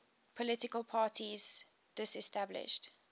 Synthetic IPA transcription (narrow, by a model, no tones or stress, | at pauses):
pʰɔlɪtɪkəlˠpʰaːtʰiz | d̥ɪsɛstablɪ̰ʃt